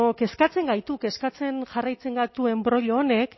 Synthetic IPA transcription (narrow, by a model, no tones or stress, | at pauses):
oke̞skat͡se̞ŋɡajt̪uke̞skat͡se̞nʝarajt͡se̞ŋɡat̪ue̞mbɾoʎoːne̞kk